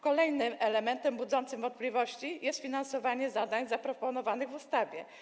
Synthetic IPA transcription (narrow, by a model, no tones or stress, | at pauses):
kɔlɛjnɘmɛlɛmɛnt̪ɛmbud̪zɔnt̪sɘmvɔnt̪̚plʲivɔɕt͡ɕijɛst̪fʲinansɔvaɲɛzad̪aɲzapɾɔpɔnɔvanɘɣvust̪avʲjɛ